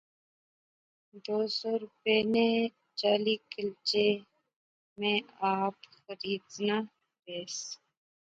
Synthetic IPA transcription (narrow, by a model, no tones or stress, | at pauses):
d̪oːsɔːɾʊpeːne | t͡ʃaːliːkɪlt͡ʃe | mẽaːpxəɾiːd̪na | ɾeːs